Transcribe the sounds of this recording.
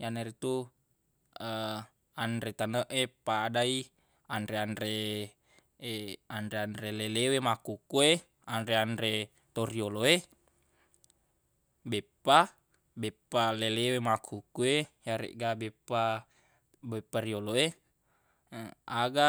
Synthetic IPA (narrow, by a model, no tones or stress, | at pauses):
janeɾit̪u | ə | anɾet̪anəʔepadai | andɾeanɾe | andeanɾelelewemakukue | anɾeandɾe | t̪orioloe | bepːa | bɛpːalelewemakʰukuejaɾḛʔɡabepːa | bepːarioloe | aɡa